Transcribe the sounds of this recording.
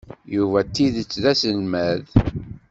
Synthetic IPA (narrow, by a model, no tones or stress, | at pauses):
juvæt̪ːiðət͡sːðæsəlmæð